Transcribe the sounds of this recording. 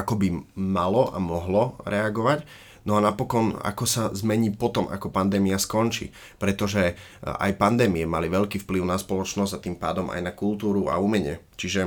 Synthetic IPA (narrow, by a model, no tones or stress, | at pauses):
akɔbimalɔʔa̰mɔɦlɔɾɛaɡɔʋac | nɔanapɔkɔna̰kɔsazmɛɲiːpɔt̪ɔmʔa̰kɔpand̪ɛːmiaskɔnt͡ʃḭː | pɾɛt̪ɔʒɛ | a̰jpand̪ɛːmiɛmaliʋɛʎkiːfpliʊnaspɔlɔt͡ʃnɔzɟat̪iːmpaːd̪ɔma̰jnakult̪uːɾua̰umɛɲɪɛt͡ʃiʒɛ